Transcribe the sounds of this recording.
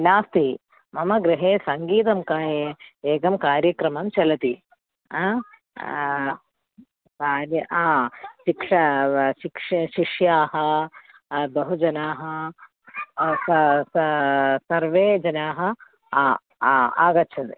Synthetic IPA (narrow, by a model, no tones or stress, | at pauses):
naːst̪i | mɐmɐɡɾɪɦeːsɐŋɡiːt̪ɐmkaːjeeːɡɐmkaːɾjɐkɾɐmɐmt͡ʃɐlɐt̪i | a | saːɾjɐʔaːʃikʂɐʃikʂɐʃiʂjaːɦɐ | d̪ɐɦud͡ʒɐnaːɦɐ | ɐssɐɾʋeːd͡ʒɐnaːɦɐ | a̰ːɡɐtːt͡ʃʰɐnd̪i